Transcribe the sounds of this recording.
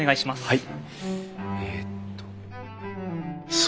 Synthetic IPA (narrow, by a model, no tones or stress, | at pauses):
ne̞ɡaiɕimasɨ̥hai | et̪ʰːo̥ | s